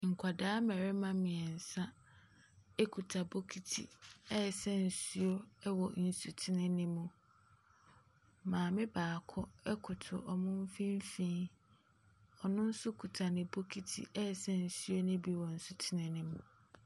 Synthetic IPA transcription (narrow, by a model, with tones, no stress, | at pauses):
ŋ̩˨kʷʰa˨daː˦mɛ˨ɾɪ˦mã˦mɪ̃˨ɛ˨n̩˨sã˦ | ɛ˦kʰu˨tʰa˨bo˦kʰi˨tʰḭ˨ɛ˦˨sɛ˦n̩˨su˦o˦wɔ˨n̩˨su˨tʰɪ˦nɪ̃˦nɪ̃˦mũ˨ | mãː˨mɪ̃˦baː˨kʰɔ˦ɛ˦kʰʊ˨tʰʊ̰˨ʔɔ˨mʊ̃˦m̩˦fĩ˦m˦fĩː˦ | ɔ˨nʊ̃˦n̩˦sʊ˦kʰu˨tʰa˨nɪ̃˨bo˦kʰi˨tʰḭ˨ɛ˦˨sɛ˦n̩˨su˦o˦nɪ̃˦bi˦wɔ˨n̩˨su˨tʰɪ˦nɪ̃˦nɪ̃˦mũ˨